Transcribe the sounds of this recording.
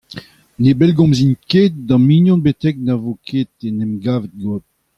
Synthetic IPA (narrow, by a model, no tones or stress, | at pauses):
nebɛlɡɔ̃mzinket̪̚dɑ̃miɲjɔ̃nbet̪ɛk̚navokʰeːt̪enɛmɡaːvet̪̚ɡot̚